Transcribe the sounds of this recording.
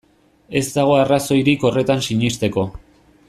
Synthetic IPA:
e̞zd̪aɣ̞o̞araso̞jɾiko̞re̞t̪ansiɲist̪e̞ko̞

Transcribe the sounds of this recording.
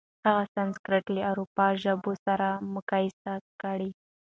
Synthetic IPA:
haɣasanskɾɪʈləawɾupɑʒəbosaɾamʊkɑjɪsakəɽi

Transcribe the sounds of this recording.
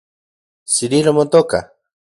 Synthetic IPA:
siɾiɾomot̪oka̰

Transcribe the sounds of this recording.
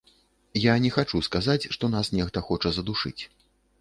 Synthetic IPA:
janʲɛxat͡ʂuskazat͡sʲʂt̪ɔnasnʲɛxt̪ɐxɔt͡ʂɐzɐd̪uʂɨ̰t͡sʲ

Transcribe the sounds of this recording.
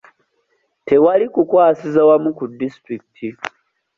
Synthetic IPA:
tʰewalikukʷaːsizɐwamukudistɾik̚tʰi

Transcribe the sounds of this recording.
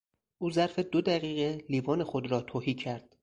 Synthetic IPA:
ʔuːzæɾfed̪od̪æɣiːɣe̞liːvɒːne̞xod̪ɾɒːt̪ʰoːhiːcʰæɾd̪̥

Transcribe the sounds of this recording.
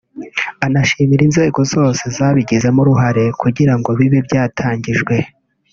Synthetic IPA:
anaʃiːmiɾinze̞ːɡo̞zo̞ːse̞zaːβiɟize̞muɾuɦaɾe̞kuɟiɾaŋɡo̞βiβibɟaːtʰaːɲɟiʒɡwe̞

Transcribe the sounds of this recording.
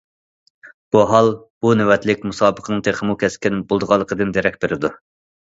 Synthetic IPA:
b̥uɦɑlˠ | b̥unewɛt̪lɪkʲmusɑːbəqʰənɨŋt̪ʰeχʰəmukʲʰɛskʲɛnbolˠd̪əʁɑlˠːəqʰəd̪ɨnd̪eɾɛk̚ʲbeɾɪd̪u

